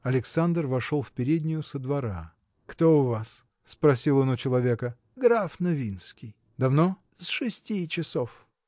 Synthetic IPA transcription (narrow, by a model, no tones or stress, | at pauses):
ɐlʲɪksand̪rvɐʂolˠfpʲɪɾʲedʲnʲɪjʊsəd̪vɐɾa | kt̪oʊvas | spɾɐsʲilˠonʊt͡ɕɪlˠɐvʲekə | ɡɾafnɐvʲinskʲij | d̪ɐvno | sʂɨsʲtʲit͡ɕɪsof